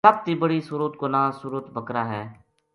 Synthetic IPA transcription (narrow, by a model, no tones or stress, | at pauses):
səb̚t̪iːbəɽiːsʊɾut̪konãːsuɾət̪bʱəkɾaːɦɛː